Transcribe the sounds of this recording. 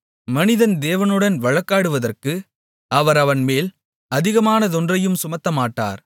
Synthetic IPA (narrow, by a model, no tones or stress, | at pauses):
mɐnɪðɐnd̪eːʋɐnɯɽɐnʋɐɻɐkːaːɽɯʋɐðɐrkɯ | ʔɐʋɐɾɐʋɐnmeːl | ɐðɪɣɐmaːnɐt̪ɔndrɐjɯmsʊmɐt̪ːɐmaːʈːa̰ːɾ